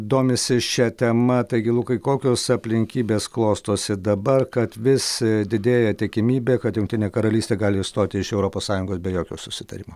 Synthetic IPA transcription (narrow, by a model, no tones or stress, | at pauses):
d̪oːmʲɪsʲɪʃʲɛt̪ʲɛmɐt̪ɐɪɡʲɪlˠuːkɐɪkoːkʲoːsɐpʲlʲɪŋʲkʲiːbʲeːsklˠoːst̪oːsʲɪd̪ɐbɐrkɐt̪ʋʲɪsd̪ʲɪd̪ʲeːjɛt̪ʲɪkʲɪmʲiːbʲeːkɐt̪jʊŋk̚ʲt̪ʲɪnʲeːkɐɾɐlʲiːsʲt̪ʲeːɡɑːlʲɪst̪oːt̪ʲɪɪʃɛʊɾoːpoːssɑːjʊŋɡoːsbʲɛjoːkʲoːsʊsʲɪ̥t̪ɐ̰ɾʲɪmoː